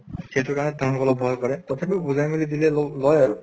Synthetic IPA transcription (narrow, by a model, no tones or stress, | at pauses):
ketʰʊkaɹnɛdʱaŋɔkɔlɔbʱɔjkɔɹɛtɔtʰapibuzajmilidilɛlɔlɔjaɹʊ